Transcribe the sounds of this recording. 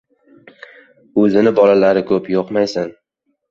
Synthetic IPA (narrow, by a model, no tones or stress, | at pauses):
ɵzɪnɪbɒlalaɾɪkʰɵpjoqmajsɪn